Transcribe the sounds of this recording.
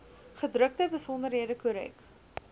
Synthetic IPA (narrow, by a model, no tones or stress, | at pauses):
χədrək̚təbəsɔndəɾɦiədəkuɾɛ̰k